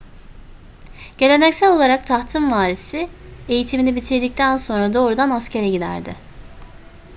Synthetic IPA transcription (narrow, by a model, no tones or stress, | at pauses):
ɟ̥e̞lʲe̞nɛcsælʲo̞lˠaɾak̚t̪ʰaht̪ʰɯmvaːɾisɪe̞jit̪ʰiminibit̪ʰiɾd̪ic̚t̪ʰænso̞nɾad̪o̞ːɾud̪anascʰe̞ɾɛɟid̪æ̰ɾd̪ɪ̰